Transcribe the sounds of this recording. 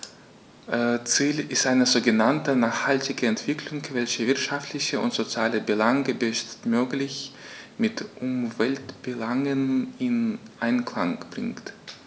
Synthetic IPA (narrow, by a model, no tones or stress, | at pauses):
ʔt͡siːlɪstʔaɪnəzoːɡənantənaːχhaltɪɡəɛntv̥ɪkʰlʊŋkv̥ɛlçəvɪɐtʃaftlɪçəʊ̰ntz̥ot͡sjaːləbəlaŋɡəbɛʃtmøːklɪçmɪtʔʊmvɛltb̥əlaŋənɪnʔaɪnklaŋb̥ʁɪ̰ŋt